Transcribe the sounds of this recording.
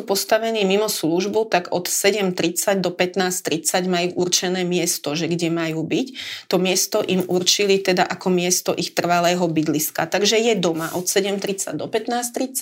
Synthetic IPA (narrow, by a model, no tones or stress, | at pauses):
upɔst̪aʋɛniːmimɔsluʒbut̪aɡɔt̪sɛɟɛmt̪ɾit͡saɟd̪ɔpɛt̪naːst̪ɾit͡saɟmajuːʔuɾt͡ʃɛnɛːmɪɛst̪ɔʒɛɡɟɛmajuːbict̪ɔmɪɛst̪ɔʔimʔuɾt͡ʃilit̪ɛd̪aʔakɔmɪɛst̪ɔʔixt̪r̩ʋalɛːɦɔbid̪liska̰t̪aɡʒɛjɛd̪ɔmaʔɔt̪sɛɟɛmt̪ɾit͡sa̰ɟd̪ɔpɛt̪naːst̪ɾit͡sa